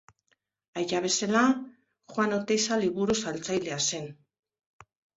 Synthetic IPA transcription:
ajaβe̞sela | xwano̞t̪e̞jsaliβuɾusalt͡sajle̞ase̞n

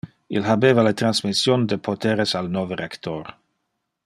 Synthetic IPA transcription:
ilɦabeːvalet̪ɾansmisjond̪epʰot̪eɾesalnoverekt̪or

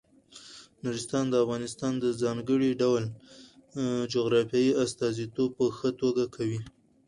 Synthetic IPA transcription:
nuɾɪst̪ɑnd̪əafɣɑnɪst̪ɑnd̪əzɑŋɡəɽiɖawl | d͡ʒoɣɾɑfjɑjiast̪ɑzit̪ob̚pəxət̪oɡakʰawi

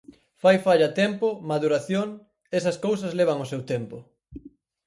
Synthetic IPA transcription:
fajfaʎɐt̪empʊmaðuɾaθjoŋ | esɐskows̬ɐzleβ̞ɐŋʊsewt̪empʊ

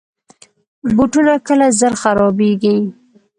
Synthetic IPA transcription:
buʈunakəlazəɾxaɾɑbeɡi

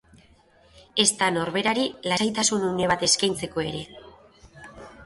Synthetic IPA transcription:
e̞st̪ano̞ɾβe̞ɾaɾilasajt̪asunune̞β̞at̪e̞skajnt͡se̞ko̞e̞ɾe̞

